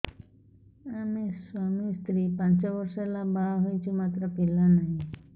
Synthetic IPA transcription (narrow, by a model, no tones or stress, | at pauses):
ameswamist̪ʰɾipãnt͡ʃɔbɔɾselabaɦojt͡ʃʰumat̪ɾəpilanaɦĩ